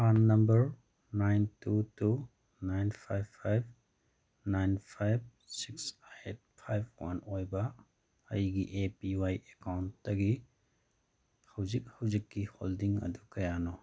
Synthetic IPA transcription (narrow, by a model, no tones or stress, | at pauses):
hanːɐmbɐɾ | najntutu | najnpʰajbʰajb̚ | najnpʰajb̚ | siksaet̚pʰajb̚ʰwa̰nojbɐ | ɐ̰jɡiʔepiwajekawntːɐɡi | hɐwzik̚hɐwzikːiho̰ldiŋɐ̰dukɐjanɔ